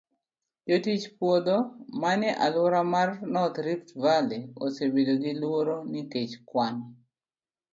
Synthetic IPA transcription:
jotit͡ʃpwod̪omanɛʔa̰lwɔɾamarnɔt̪ɾiftvaleo̰sebedoɡɪlwoɾonɪket͡ʃkwan

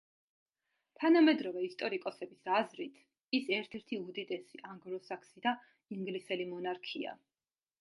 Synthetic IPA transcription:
t̪ʰanamɛd̪ɾɔvɛist̪ʼɔɾikʼɔsɛbisazɾit̪ʰ | isɛɾt̪ʰɛɾt̪ʰiud̪it̪ʼɛsiʔaŋɡɾɔsakʰsid̪a | iŋɡlisɛlimɔnaɾkʰia̰

